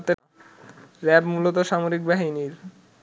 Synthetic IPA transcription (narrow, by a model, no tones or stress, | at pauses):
t̪e | ɾɛbmulot̪oʃamoɾik̚baɦiniɾ